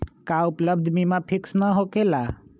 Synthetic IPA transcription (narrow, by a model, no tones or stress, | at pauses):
kaʊpləbd̪ʱmimãpʰɪksnəɦokela